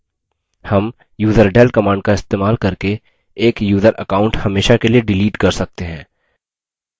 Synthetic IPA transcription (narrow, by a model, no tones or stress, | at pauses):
hɐm | juːzəɾɖɛːlkɐmãːɳɖ̚kaɪst̪eːmaːlkɐɾke | eːkjuːzəɾʔə̰kaːʊ̃ɳʈhɐmeːʃakelieɖɪliːʈkɐɾsɐk̚t̪eɦɛ̰̃ː